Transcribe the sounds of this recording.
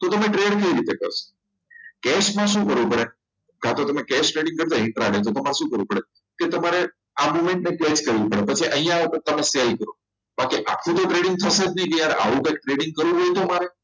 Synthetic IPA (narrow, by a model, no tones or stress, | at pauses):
t̪ot̪əmeʈɾejəɽkəiɾit̪ekə̰ɾso̥ | kɛʃmãʃũkəɾʋũpəɽe | kat̪ot̪əmekɛsʈɾeɽĩŋɡkəɾt̪aɦɪ̃ʈɾaɡetot̪əmaɾeʃũːkəɾʋũpəɽe | ket̪əmaɾe | amomẽɳʈ̚nekɛt͡ʃkəɾʋũpəɽepət͡ʃʰiʔəɦijãpət̪əmeselkəɾõ | bakiʔakʰːũt̪oʈɾeɽĩŋɡ̚t̪ʰəsed͡ʒnəĩkəjaɾḛʔa̰ʋũkəek̚ʈɾeɽɪŋɡ̚kəɾʋũɦojt̪omaɾe